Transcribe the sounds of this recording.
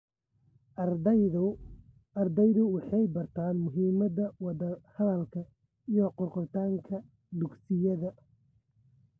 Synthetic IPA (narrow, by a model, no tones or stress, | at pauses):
ɐrd̪ɛjðʊwɑħɑjbɐrt̪ʰaːnmʊɦiːmɐðɐwɑdɐhɐðɐlkʰɐ | ijɔqʊrqɔrt̪ʰaːŋkʰɐ | d̪ʊɡsɪjɐðɐ